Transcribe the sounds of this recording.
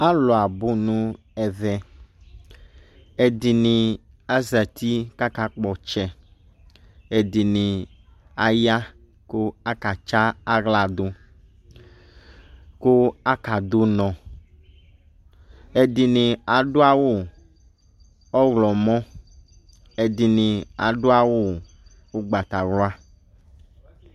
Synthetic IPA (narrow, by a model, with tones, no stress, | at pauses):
a˦lɔ˨a˨bo˦nũ˦ | ɛ˨vɛ˨ | e˨di˨nĩ˨ | a˦zɛ˨t̪i˦ka˦ka˦k͡pɔ˨t͡ʃɛ˨ | e˨di˨nĩ˨ | a˨ja˦ | ko˦a˦ka˨t͡ʃa˦a˦ɣla˨do˦ | ko˦a˦ka˨d̪o˦nɔ̃˨ | e˨d̪i˨nĩ˨a˨ɖo˦a˦wo˦ | ɔ˦ɣlɔ˨mɔ̃˦ | e˨d̪i˨nĩ˨a˨ɖo˦a˦wo˦ | wo˦ɡ͡ba˨t̪a˨wlo˦a˦